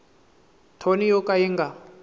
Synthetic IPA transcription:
tʰonijɔkajiŋɡa

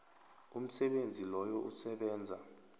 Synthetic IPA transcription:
um̩sɛɓend͡zʱilɔjɔʔusɛɓɛːnd͡zʱa

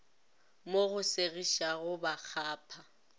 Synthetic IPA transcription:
moɣʊseɣiʃaɣʊbak͡xʰaːpʰa

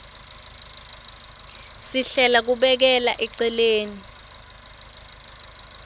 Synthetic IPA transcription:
siɬɛlak̬uɓɛk̬ɛlaʔɛǀɛleːni

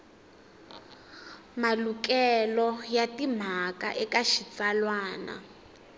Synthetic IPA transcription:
malukʼɛlɔjatim̤aka̰ʔɛkaʃit͡salwaːna̰

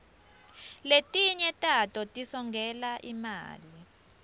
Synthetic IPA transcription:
letʼiɲɛtʼatʼɔtʼisɔŋɡʱɛlaʔima̰ːli

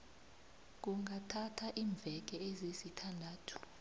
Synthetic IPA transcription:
k̬uŋɡʱatʰatʰaʔiːɱb̪vʱɛk̬ɛezisitʰandʱaːtʰu̥

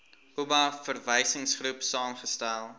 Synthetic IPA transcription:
ubɐfərvəjsəŋsχrupsɑːmχəstælˠ

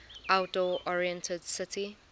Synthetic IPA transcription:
ʔawt̚d̥ɔʔɔɹiɛ̃ntʰədsɪtʰi

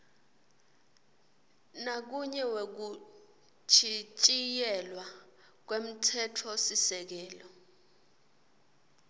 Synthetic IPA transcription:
nak̬uɲɛwek̬u | t͡ʃʰit͡ʃʼijɛlwa | k̬wem̩tʰɛtʰɔsisɛk̬ɛːlɔ

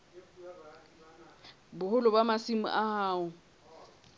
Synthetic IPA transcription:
bʊhʊlʊbamasimʊ̰ʔahaːʊ

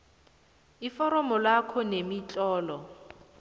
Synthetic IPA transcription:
ifɔɾɔmɔlakʰɔnemit͡ɬʼɔːlɔ

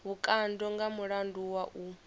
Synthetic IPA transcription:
βukʼandɔŋɡamuɺanduwaʔu

